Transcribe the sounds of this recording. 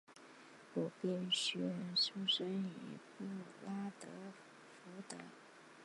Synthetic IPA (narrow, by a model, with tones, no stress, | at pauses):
ɔ˨˩pjɛ˥˩nɕɥɛ˧˥ɻə˧˥nʂu˥ʂə˥nḭ˨˩pu˥˩˨la˥t̪ɤ˧˥ | fu˧˥t̪ə˧˥